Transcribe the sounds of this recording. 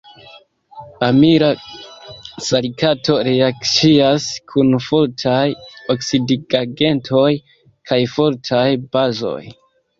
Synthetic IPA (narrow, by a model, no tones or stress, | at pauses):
amiɾa | salikatʰo̞ɾeakt͡siaskʰunfoɾtʰajoksidiɡaɡe̞ntʰo̞j | kʰajfo̞ɾtʰajb̥azo̞̰j